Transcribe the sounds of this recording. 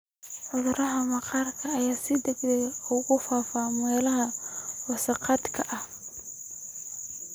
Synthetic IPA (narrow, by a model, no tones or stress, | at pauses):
ʕʊðʊɾɐɦɐmɐqɑːrkʰɐːjaːsɪd̪ɐɡd̪ɛjʊɣʊfaːfaːmɛːlɐɦɐwɑsɑqɑd̪kʰɐʔɐh